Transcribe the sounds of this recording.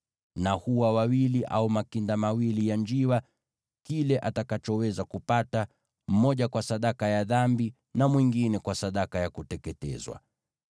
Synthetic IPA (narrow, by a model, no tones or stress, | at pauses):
nahuwawawiliʔa̰umakindamawilijand͡ʒiwa | kilɛʔatakat͡ʃɔwɛzakupata | m̩mɔʄakwasaɗakajaðambi | namwiŋɡinɛkwasaɗakajakutɛkɛtɛ̰zwa̰